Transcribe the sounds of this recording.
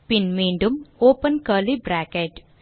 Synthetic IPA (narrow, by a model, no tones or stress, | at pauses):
pinmiːɳɖumoːpənkəːlibɾaːkeʈ